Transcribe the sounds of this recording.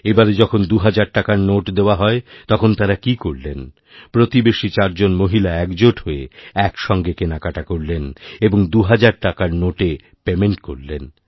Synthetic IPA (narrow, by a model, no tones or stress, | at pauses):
ebaɾed͡ʑɔkʰond̪uɦad͡ʑaɾʈakaɾnoʈd̪eoaɦɔet̪ɔkʰont̪aɾakikoɾlen | pɾot̪ibeʃit͡ɕaɾd͡ʑonmoɦilaɛkd͡ʑoʈɦoeɛkʃɔŋɡekenakaʈakoɾleneboŋd̪uɦad͡ʑaɾʈakaɾnoʈe | pemeɳʈkoɾlen